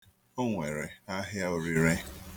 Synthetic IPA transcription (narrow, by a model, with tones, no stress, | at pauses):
o˦ŋʷe˨ɾe˨a˦ɦja˦ʊ˨ɾi˨ɾe˦